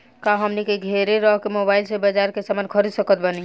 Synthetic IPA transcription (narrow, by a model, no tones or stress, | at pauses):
kaɦəmnikeɡʱeɾeɾɔɦkemobaːɪlsebəd͡ʒaɾkesamankʰəɾisəkət̪̚bəni